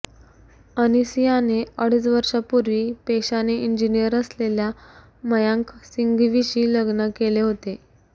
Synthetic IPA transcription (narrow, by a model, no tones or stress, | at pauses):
ənisijaneəɽ̤iːt͡sʋəɾʂapuɾʋiːpeɕaneʔind͡ʑinijəɾəslelja | məjãŋksiŋɡʋiɕiːləɡnəkeleɦot̪e